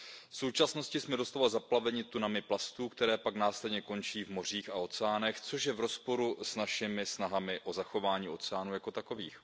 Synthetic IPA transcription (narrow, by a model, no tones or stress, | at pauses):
fso̞wt͡ʃasno̞scɪsmɛdo̞st̪avalzaplavɛɲɪt̪unamɪplast̪uːkt̪ɛɾɛːpaknaːslɛdɲɛko̞nt͡ʃiːvmo̞r̝iːxao̞t͡sɛaːnɛxt͡so̞ʃjɛvɾo̞spo̞ɾusnaʃɪmɪsnaɦamɪʔo̞zaxo̞vaːɲiːo̞t͡sɛaːnuːjako̞t̪ako̞viːx